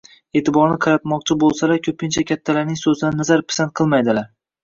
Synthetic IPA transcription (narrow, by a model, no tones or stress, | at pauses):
e̞ːt̪ʰɪbɒɾnɪqʰɑɾat̪mɒq̚t͡ʃʰɪbolˠsalakʲʰɵpʰɪnt͡ʃʰakʲʰat̪ʰːalaɾnɪŋsɵzɪd̪anːazaɾpɪ̥sant̪̚qʰɨlˠmajd̪ɪlaɾ